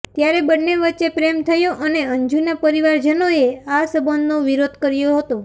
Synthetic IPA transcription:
t̪jaɾebənːeʋətːt͡ʃepɾemt̪ʰəjoʔəneəɲd͡ʒunapəɾiʋaɾd͡ʒənoeasəbənd̪noʋiɾod̪kəɾjoɦət̪o

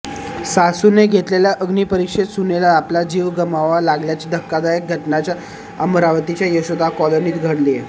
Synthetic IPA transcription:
sasuneɡʱet̪leljaʔəɡniːpəɾikʂet̪sunelaːplad͡ʑiːʋɡəmaʋalaɡljat͡ɕiːd̪ʱəkːad̪ajək̚ɡʱəʈnat͡ɕja | əmɾaʋət̪it͡ɕjajəɕod̪ʱakɔləɾniːt̪ɡʱəɽlije

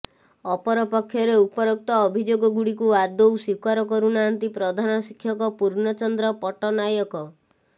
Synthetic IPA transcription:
ɔpɔɾɔpɔkʰːjɔɾeupɔɾɔk̚t̪ɔːbʱid͡ʒoɡɔɡuɽikuad̪owsikaɾɔkɔɾunant̪ipɾɔd̪ʱanɔsikʰjɔkɔpuɾnɔt͡ʃɔnd̪ɾɔpɔʈɔnajɔkɔ

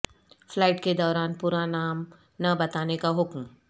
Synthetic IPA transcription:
flaːɪʈked̪ɔːɾaːnpuːɾanaːm | nɐbɐt̪aːnekaɦʊkm

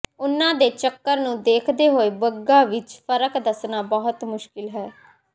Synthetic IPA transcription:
ʊnãːd̪eːt͡ʃəkːəɾnũːd̪eːkʰd̪eːɦoːeːbəɡːaːʋɪt͡ʃpʰəɾəkd̪əsnaːbɔɦʊt̪mʊʃkɪlɦɛː

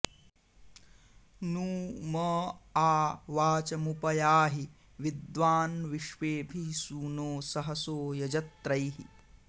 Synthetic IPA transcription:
nuːmɐaːʋaːt͡ʃɐmupɐjaːɦi | ʋid̪ʋaːnʋiʃʋeːbʱisuːnoːsɐɦɐsoːjɐd͡ʒɐt̪ɾɐjɦḭ

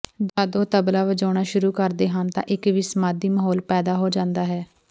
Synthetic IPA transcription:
d͡ʒaːd̪oːt̪əblaːʋəd͡ʒaːɽ̃aːʃʊɾuːkəɾd̪eːɦant̪ã̰ːʔɪkʋiːsmaːd̪iːməɦɔːlpɛːd̪aːɦoːd͡ʒãːnd̪aːɦɛː

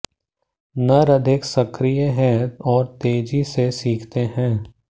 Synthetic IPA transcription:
nɐɾɐd̪ʱɪksɐkɾijəɦɛ̃ɔːɾt̪eːd͡ʒisesiːkʰt̪eɦɛ̃ː

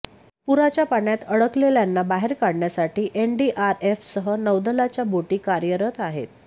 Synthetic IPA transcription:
puɾat͡ɕjapaɳjat̪əɽəkleljanːabaɦeɾkaɽɳjasaʈiːʔenɖiʔaɾefsəɦənəʋd̪əlat͡ɕjaboʈiːkaɾjəɾət̪aɦḛt̪̚

